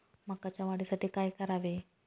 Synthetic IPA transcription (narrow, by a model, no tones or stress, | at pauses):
m̤akat͡ɕjaʋaɽisaʈiːkajkəɾaʋe